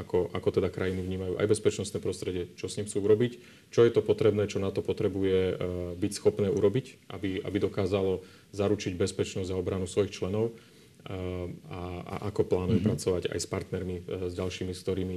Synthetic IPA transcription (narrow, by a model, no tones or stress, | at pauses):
akɔʔakɔt̪ɛd̪akɾajinivɲiːmajuːʔa̰jbɛspɛt͡ʃnɔst̪nɛːpɾɔst̪ɾɛɟɪɛt͡ʃɔsɲimxt͡suːuɾɔbic | t͡ʃɔjɛt̪ɔpɔt̪ɾɛbnɛːt͡ʃɔnat̪ɔpɔt̪ɾɛbujɛbicsxɔpnɛːʔuɾɔbicʔabia̰bid̪ɔkaːzalɔ | zaɾut͡ʃiɟbɛspɛt͡ʃnɔzʲzaɔbɾanusʋɔjixt͡ʃlɛnɔʊ | aa̰ʔakɔplaːnujupɾat͡sɔʋaɟa̰jspaɾt̪nɛɾmizɟalʃiːmiskt̪ɔɾiːmi